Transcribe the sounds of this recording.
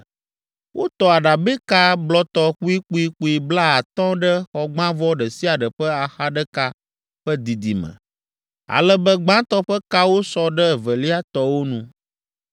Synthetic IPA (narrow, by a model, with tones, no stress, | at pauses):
wʔo˦t̪ɔ˨a˨ɖa˨bɛ˦ka˦blɔ˦t̪ɔ˦xu˦i˦k͡pu˦i˦k͡pu˨˦i˨bla˦a˨t̪ɔ̃˦ɖɛ˦xɔ˨ɡ͡bã˦vɔ˦ɖɛ˨si˦a˨ɖə˨ɸə˦a˨xa˦ɖɛ˦ka˦ | ɸɛ˦d̪i˨d̪i˨mə̰̃˨ | a̰˨lɛ˦bə˦ɡ͡bã˦t̪ɔ˦ɸɛ˦ka˦wo˦sɔ˦ɖɛ˦˨və˨li˦a˦t̪ɔ˦wo˦nũ˦